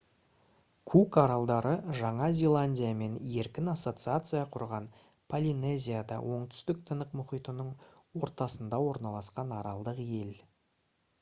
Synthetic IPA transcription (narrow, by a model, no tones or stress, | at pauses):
kʰukɑɾɑlˠd̪ɑɾəʒɑɴɑzʲe̞lˠanʲdʲijame̞ne̞ɾkʲɪnaso̞t̪sɨat̪sɨjɑqʰʊɾʁɑn | pʰolʲine̞zʲijad̪ɑ̰wʔo̞ɴt̪ʏ̥st̪ɪk̚t̪ʰənəqmʊχijt̪ənəɴwo̞ɾt̪ɑsənd̪ɑwo̞ɾnɑlˠɑsqɑnɑɾɑlˠd̪əqje̞l